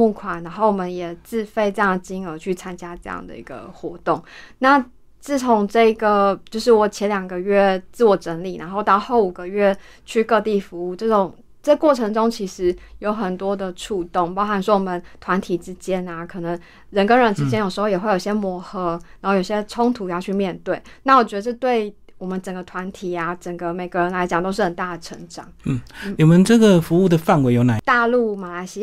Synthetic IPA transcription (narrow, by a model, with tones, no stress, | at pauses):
mu˥˩kʰwa˨˩na˧˥nxo˥˩ʊwɔ˨˩mə˦njɛ˨˩t͡sɹ̩˥˧fe˥˧ɪʈ͡ʂɤ˥˧jɑ˥˩ŋd̪ə˩t͡ɕi˥ŋə˞˧˥t͡ɕʰy˥˩t͡sʰa˥nt͡ɕja˥ʈ͡ʂɤ˥˧jɑ̰˥˩ŋd̪ə̰˩ḭ˧˥ɡ̥ə̰˧xwɔ˧˥t̪ʊ˥˩ŋna˥˩ | t͡sɹ̩˥˩t͡sʰʊ˧˥ŋʈ͡ʂɤ˥˩i˧˥ɡə˨t͡ɕjo˥˧ʊʂɻ̩˥˩wɔ˨˩t͡ɕʰjɛ˧˥nljɑ˨˩ŋɡə˧˦ɥɛ˥˧t͡sɹ̩˥˩wɔ˨˩ʈ͡ʂə˧˥nli˨˩na̰˧˦nxo˥˧ʊt̪ɑ˥˧ʊxo˥˩ʊu˨˩ɡə˧˦ɥɛ˥˧ | t͡ɕʰy˥˧kɤ˥˧t̪i˥˩fu˧˥u˥˩t͡ɕɤ˥˩ʈ͡ʂʊ˨˩ŋ | ʈ͡ʂɤ˥˩kwɔ˥˩ʈ͡ʂʰɤ˧˥ŋʈ͡ʂʊ˥ŋt͡ɕʰi˧˥ʂɻ̩˧˥jo˧˥ʊxə˨˩nt̪wɔ˥d̪ə˨ʈ͡ʂʰu˥˧t̪ʊ˥˩ŋpɑ˥ʊxa˨nswɔ˥wɔ˨˩mə˦nt̪ʰwa˧˥nt̪ʰi˨˩ʈ͡ʂɻ̩˥t͡ɕjɛ˥na˨kʰɤ˨˩nə˧˦ŋ | ɻə˧˦˥nkə˥nɻə˧˥nʈ͡ʂ̩˥t͡ɕjɛ˥njo˨˩ʂɻxo˥˧ʊjɛ˨˩xwe˥˩jo˨˩ɕjɛ˥mwɔ˧˥xɤ˧˥˦a˨˧˦o˥˩jo˨˩ɕɛ˥ʈ͡ʂʰʊ˥ŋt̪ʰu˧˥ja˥t͡ɕʰy˥˧mjɛ˥˧nt̪we˥˩ɪna˥˩wɔ˨˩t͡ɕɥɛ˧˥d̪ə˧ʈ͡ʂ̬̩˥˧t̪we˥˩ɪ | wɔ˨˩mə˦nʈ͡ʂə˨˩ɡə˩t̪ʰwa˧˥nt̪ʰi˨˩a˩ʈ͡ʂə˨˩ŋɡə˦me˨˩ɪɡə˧˦ɻə˧˥nla˧˥ɪt͡ɕjɑ˨˩ŋt̪o˥ʊʂ̬ɻxə˨˩nt̪a˥˩d̪ə˩ʈ͡ʂʰə˧˥ŋʈ͡ʂɑ˨˩ŋn̩˥˩n̩˥˩ni˨˩mə˨˦nʈ͡ʂɤ˥˩ɡə˨˩fu˧˥u˥˩d̪ə˩fa˥˩˨nwe˧˥ɪjo˧˥na˨˥t̪a˥˧lu˥˩ma˨˩la˧˥ɪɕi˧˥